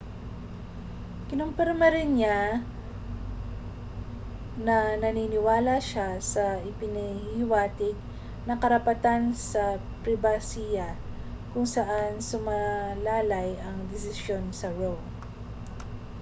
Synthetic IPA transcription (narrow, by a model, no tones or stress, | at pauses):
kɪnʊmpɛɾmɐɾɪnɲa | nɐnɐninɪwaːlaʃasɐʔɪpɪnɪhɪwaːt̪ɪɡ̚ | nɐkɐɾɐpɐt̪ansɐ | pɾɪbasijɐ | kʊŋsɐʔansʊmalaːlajʔɐŋd̪ɪs̬ɪsjo̞nsɐwɛw